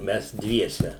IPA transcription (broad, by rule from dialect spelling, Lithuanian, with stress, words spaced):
ˈmʲɛs ˈdʲʋʲiɛsʲɛ